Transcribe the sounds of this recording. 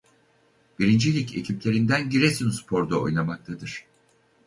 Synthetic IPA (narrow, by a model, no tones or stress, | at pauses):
biɾind͡ʒilʲicʰe̞̰cʰiplʲe̞ɾind̪ænɟiɾesinspʰo̞ɾd̪ao̞̰jlˠamak̚t̪ʰad̪ɯɾ̥